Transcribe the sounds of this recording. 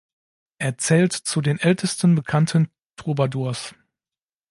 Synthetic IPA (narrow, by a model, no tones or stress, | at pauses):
ʔeːɐt͡sɛːltt͡sudeːnʔɛltʰəstən̩bəkʰantʰən | tʰʁubaduːɐs